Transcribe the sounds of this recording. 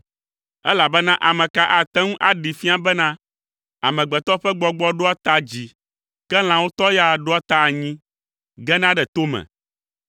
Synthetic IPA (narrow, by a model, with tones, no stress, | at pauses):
ɛ˦la˨bɛ˦nã˦ʔa˨mɛ̃˨ka˦ʔa˨t̪ɛ˦ŋũ˦ʔa˦ɖi˨fi˦a˦bɛ˦nã˦ | a̰˨mɛ̃˨ɡ͡bɛ˨t̪ɔ˦ɸɛ˦ɡ͡bɔ˦ɡ͡bɔ˦ɖo˦a˦t̪a˦d͡ʑi˨ | kɛ˦l̃ã˨wo˦t̪ɔ˦ja˨ɖo˦a˦t̪a˦˨ɲĩ˦ | ɡɛ˦nã˦ɖɛ˨t̪o˦mɛ̰̃˨